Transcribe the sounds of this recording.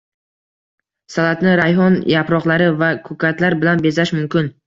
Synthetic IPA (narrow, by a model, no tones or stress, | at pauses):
salat̪nɪɾajɦɒnjapɾɒqlˠaɾɪvakʰɵkʰat̪ʰlaɾbɪlanbe̞zaʃmʊmkʲɪn